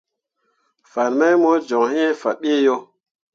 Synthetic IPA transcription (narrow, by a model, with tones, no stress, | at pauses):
fa˨nma˦jmo˦d͡ʒɔ˨ŋhi˦e˦fa˨ɓe˦jo˦